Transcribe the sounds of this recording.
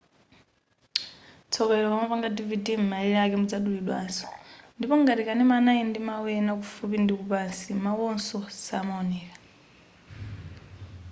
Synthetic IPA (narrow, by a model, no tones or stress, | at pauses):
t͡sʰɔβɛlɔkamapaŋɡadividim̩maliakɛmud͡zaɗuliɗwaːzɔ̥ndipɔŋɡatikanɛmanaindimawɛnakufupindikupansimawɔnsɔsamaɔnɛːka